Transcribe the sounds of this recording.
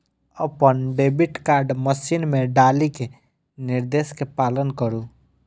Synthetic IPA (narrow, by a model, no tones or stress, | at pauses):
əpənɖeːbɪʈkaːɾɖməsinmẽɖaːlike | nɪɾd̪eːskepaːlənkəɾũ